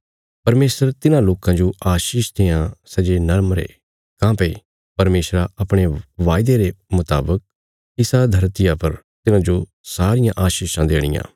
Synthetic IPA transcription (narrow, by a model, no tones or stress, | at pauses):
pɐɾmeːsəɾt̪ɪnãloːkãd͡ʒoʔaːʃiːʃt̪ʰeːãsɛd͡ʒenɐɾmɾḛ | kãːpe | pɐɾmeːsɾaʔɐpɽ̃eʋaːɪd̪eɾemʊt̪a̰ːbək̚ | ɪsad̪ʱɐɾt̪ɪjapɐɾt̪ɪnãd͡ʒo | saːɾɪjãʔaːʃiːʃãd̪eːɽ̃ɪjã̰ː